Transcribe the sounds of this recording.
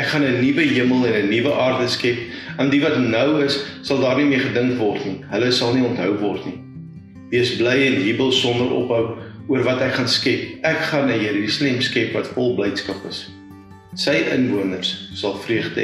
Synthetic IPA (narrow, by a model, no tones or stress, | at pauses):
ʔækχɐnənivəɦiəməlˠɛnənivəʔɑːrdəskɛpɐndivɐtnœwəsːɐlˠdɑːrnimiəχədəŋkvɔrtniɦələsɐlˠniɔntɦœwvɔrtni | diəsblɛjɛnɦibəlˠsɔndəɾʔɔ̰pɦəwuərvɐtækχɑnskɛpækχɐnəjəɾysalɛmskɛpvɐtfɔlˠblɛjtskɐpəs | səjʔənvuənərsːɐlˠfriəχdə̰